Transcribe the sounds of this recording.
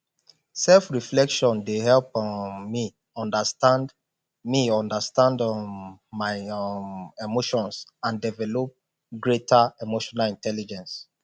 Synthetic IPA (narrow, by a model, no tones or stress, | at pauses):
sɛlfɹiflɛkʃɔ̃ndehɛlpmi | ɔ̃ndastãnd | miɔ̃ndastãndɔmaɪ | emoʃɔ̃nsãndɛvɛlɔp̚ | ɡɹetʰaemoʃɔnalĩntʰɛlid͡ʒɛ̃ns